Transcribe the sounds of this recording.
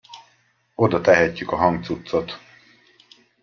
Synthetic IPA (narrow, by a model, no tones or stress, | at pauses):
o̞d̪ɒt̪ɛɦɛcːykɒɦɒŋkt̪sut̪so̞t̪